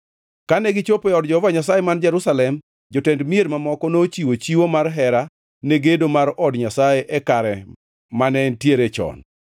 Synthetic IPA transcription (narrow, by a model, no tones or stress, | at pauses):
kanɛɡɪt͡ʃopɛɔdd͡ʒɔvaɲasajemand͡ʒɛɾusalɛm | d͡ʒɔtɛndmieɾmamɔkɔnot͡ʃiwot͡ʃiwomarɦɛɾa | neɡedomaɾɔdɲasajeʔɛkaɾɛ | manɛntjeɾet͡ʃɔ̰n